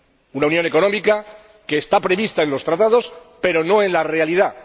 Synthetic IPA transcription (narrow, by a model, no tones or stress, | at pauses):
unaunjo̞ne̞ko̞no̞mika | ke̞ːst̪apɾe̞βist̪ae̞nlo̞st̪ɾat̪að̞o̞spe̞ɾo̞no̞e̞nlare̞aliða